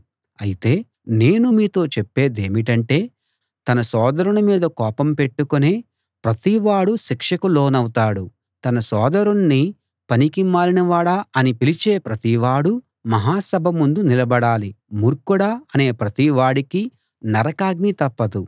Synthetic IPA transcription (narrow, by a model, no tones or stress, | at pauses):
ɐjit̪e̞ː | ne̞ːnumiːt̪o̞ːt͡ʃepːe̞ːd̪eːmiʈɐɳʈe̞ː | t̪ɐnɐsɔːd̪ɐɾuɳɐmiːd̪ɐkɔːpɐmpe̞ʈːukone̞ː | pɾɐt̪iʋaːɽuʃikʂɐkulo̞ːnɐwt̪aːɽu | t̪ɐnɐsɔːd̪ɐɾunːi | pɐnikimaːɾinɐʋaːɽaːɐnipilit͡ʃe̞ːpɾɐt̪iʋaːɽu | mɐɦaːsɐbʱɐmund̪unilɐbɐɽaːlimuɾkuɽaːɐne̞ːpɾɐt̪iʋaːɽiki | nɐɾɐkaːɡ̚nit̪ɐpːɐd̪u